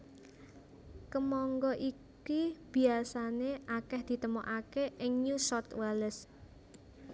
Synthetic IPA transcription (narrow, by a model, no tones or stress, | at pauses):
kəmɔŋɡɔʔi | kib̥i̤asaneʔakɛhd̪̥i̤t̪əmɔʔakeʔɪŋɲusɔrt̪waləs